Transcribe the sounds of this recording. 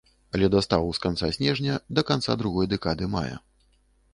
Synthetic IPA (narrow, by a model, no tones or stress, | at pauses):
ɐlʲɛd̪ast̪avuskant̪sasʲnʲɛʐnʲɐd̪ɐkant̪sa̰d̪ɾuɣɔjd̪ɛkad̪ɨma̰jɛ̰